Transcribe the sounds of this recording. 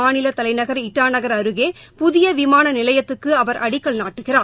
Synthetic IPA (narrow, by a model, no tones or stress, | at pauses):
aːnɪlɐt̪ɐlɐɪnɐɣɐɾɪʈːaːnɐɣɐɾɐɾɯɣeːpʊðɪjɐʋɪmaːnɐnɪlɐjɐt̪ːɯkːɯɐʋɐɾʔɐɽɪkːɐɭnaːʈːɯɣɪraː